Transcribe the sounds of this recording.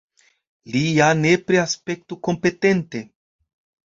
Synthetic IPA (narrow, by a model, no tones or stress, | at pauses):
lijane̞pɾeaspe̞k̚tuko̞mpe̞te̞nte̞